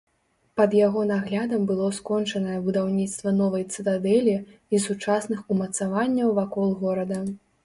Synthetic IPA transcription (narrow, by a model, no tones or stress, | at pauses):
pɐd̪jaɣɔnaɣlʲad̪ɐmbɨlˠɔskɔnt͡ʂɐnɐjɐbud̪awnʲit̪st̪vɐnɔvɐjt̪sɨt̪ad̪ɛlʲiisut͡ʂasnɨxumɐt̪savanʲːɐwvakɔlˠɣɔɾɐd̪ɐ